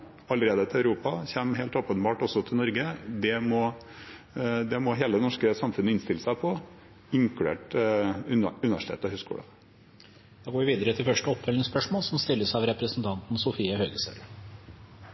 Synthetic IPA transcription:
ɑləɾeːd̪ət̪ʰɪlɑʉɾuːpɑçɛmɦeɪlt̪oːpənbɑːʈɔsɔt̪ʰɪlnɔɾɡəd̪ɛmɔ | d̪ɛmɔɦeːləɛnɔʂkəsɑmfʉnːəɪnst̪ɪlːəsæɪpʰɔ | ɪŋklʉḛːʈ | ʉnəʋæʂʈ̪ʰḛːt̪ːɔhʉːskṵːlə̰ | d̪̥ɑːɡoːɾʋɪʋiːd̪əɾət̪ʰɪlfœʂʈəɔpfɛlɪŋspœʂmoːlsɔmst̪ɪlːəsɑʋɾɛpɾəsənt̪ʰɑnt̪n̩sʊfiːəhœːɡəsœ̰l

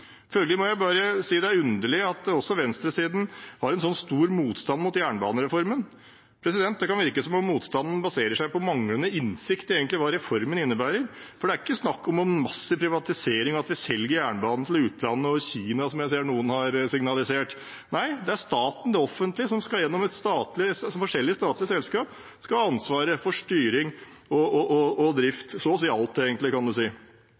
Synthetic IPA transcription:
fœlɡəlɪmɔjæɪbɑːɾəsiːd̪ɛæɾʉnd̪əɭɪɑt̪̚d̪ɛɔsɔʋɛnst̪ɾəsiːd̪n̩hɑɾɛnsɔnːst̪uːɾmuːt̪st̪ɑnmʊt̪jæːɳəbɑ̰ːnəɾɛfɔɾmən | pʰɾɛsɪd̪ɛnt̪̚d̪ɛkʰɑnʋɪɾkəsɔmɔmmuːt̪st̪ɑnn̩bɑseːɾəʂæɪpɔmɑŋlənəɪnsɪkt̪əɾeːɡənt̪lɪʋɑːɾɛfɔɾmənɪnːəbæːɾəɾfɔɖɛæɾɪkːəsnɑkːɔmɔnmɑsːəpʰɾɪʋɑt̪ɪseːɾɪŋɔɑt̪ʋɪsɛlɡəɾjæːɳbɑːnnt̪ʰl̩ʉːt̪lɑnːəɔçiːnɑsɔmjæɪs̬eːɳuːənhɑɾsɪŋnɑlɪseːʈ | næɪd̪ɛæʂt̪ɑːt̪n̩d̪ɛɔfːənt̪lɪsɔmskɑjɛnːɔmɛt̪st̪ɑːt̪lɪsɔmfɔʂɛlːɪəst̪ɑːt̪lɪəsɛlskɑːp | skɑɑnsʋɑːɾəfɔʂʈyːɾɪŋ | ɔɔɔɔd̪ɾɪft̪sɔsiːɑlt̪̚d̪eːɡənt̪lɪkɑnd̪ʉsiː

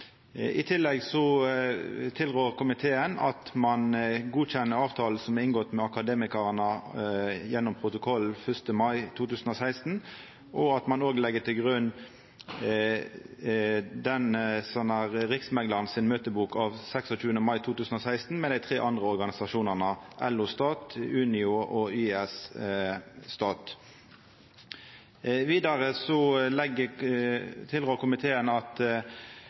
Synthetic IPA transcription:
ʔɪt̪ʰɪlːɛɡsɔ | t̪ʰɪlʁøːʁkʰʊmɪt̪ʰeːənɑ̰t̪mɑnɡuːçɛnːəɑːʋt̪ʰɑːl̩sɔmɛɪŋɡɔt̪mɛɑkɑd̪eːmɪkəʁənə | jɛnːʊmpʰʁʊt̪ʊkʰɔlːfœst̪əmɑɪt̪ʰuːt̪ʉːsn̩ɔsæɪst̪n̩ | ʔɔɑt̪mɑnoːɡlɛɡːət̪ɪlɡʁʉn | d̪ɛnsɔnəʁɾɪksmɛŋlɑʁnsɪnmøːt̪əbuːkʰɑʋsɛksɔt͡ʃʉːənəmɑɪt̪ʰuːt̪ʰʉːsən̩ɔsæɪst̪n̩mɛd̪æɪt̪ʰʁḛːʔɑnd̪ʁəɔʁɡɑnɪsɑʃuːnəʁnəʔɛlːʊst̪ɑːt̪ʉːnɪʊʔɔyːɛs | st̪ɑːt̪ | ʋiːd̪ɑʁəsɔlɛɡə | t̪ʰɪlʁøːʁkʊmɪt̪ʰeːənɑt̪

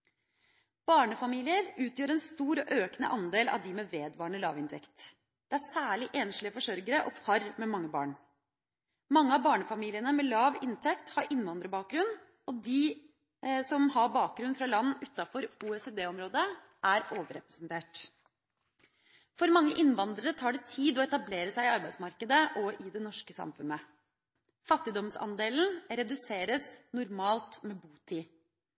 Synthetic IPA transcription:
b̥ɑːɳəfɑmiːlɪəɾʉːt̪ʰjøːɾɛnst̪uːɾɔʔøːknə̰ʔɑnd̪eːlɑ̰ʋd̪ɪmɛʋeːd̪ʋɑːɳəlɑ̰ːʋɪnt̪ʰɛ̰kt̪ | d̪̥ɛæsæːɭɪʔɛnʂlɪəfɔʂœɾɡəɾəʔɔpʰɑɾmɛmɑŋːəbɑ̰ːɳ | mɑŋːəɑʋbɑːɳəfɑmiːlɪənəmɛlɑːʋɪnt̪ʰɛkt̪hɑɾʔɪnːʋɑnd̪ɾəbɑːk̚ɡɾʉn | ɔd̪i | sɔmhɑɾbɑːk̚ɡɾʉnfɾɑlɑnːʉt̪ːɑfɔɾuːɛseːd̪eːɔmɾoːd̪ə | ʔæɾoːʋəɾɛpɾɛsnt̪ʰeːʈ | fɔɾmɑŋːəʔɪnːʋɑnd̪ɾəɾət̪ʰɑːɖɛt̪ʰiːd̪ɔɛt̪ɑbleːɾəsæɪɪɑɾbæɪsmɑɾkəd̪əʔɔʔɪd̪ɛnɔʂkəsɑ̰mfʉnə | fɑt̪ːɪd̪ɔmsɑ̰nd̪eːln̩ɾɛd̪ʉseːɾəsnʊɾmɑːlt̪mɛbuːt̪ʰiː

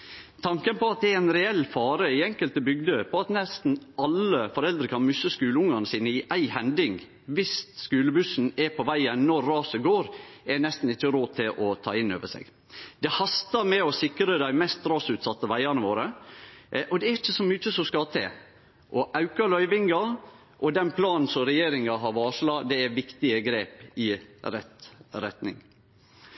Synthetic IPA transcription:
t̪ʰɑŋkənpɔɑt̪̚d̪ɛæɾæɪnɾɛɛlːfɑːɾəɪɛŋkəlt̪əbʏɡd̪əpʰɔɑt̪nɛst̪n̩ɑlːəfɔɾɛld̪ɾəkʰɑnmʏsːəskʉːləʊŋɑnəsiːnəɪʔæɪhɛnd̪ɪŋ | ʋɪst̪skʉːləbʉsn̩ɛɾpʰɔʋæɪənnɔɾːɑːsəɡoːɾɛnɛst̪n̩ɪt͡ʃːəɾoːt̪ʰɪlʔɔt̪ʰɑ̰ːɪnːø̰ːʋəsḛːɡ | d̪̥ɛhɑst̪ɑɾmɛɔsɪkɾəd̪æɪmɛst̪ɾɑːsʉːt̪sɑt̪ːəʋæɪɑnəʋoːɾə | ʔɔd̪ɛæɾɪçːəsɔmyːt͡ʃəsɔmskɑt̪ʰḛː | ʔɔʔɑʉkɑlœʏʋɪŋɡɑ | ʔɔd̪ɛnpʰlɑːnn̩sɔmɾɛjeːɾɪŋɑɦɑɾʋɑːʂlɑd̪ɛæɾʋɪkt̪ɪəɡɾeːpɪɾɛt̪ɾɛt̪nɪ̰ŋ

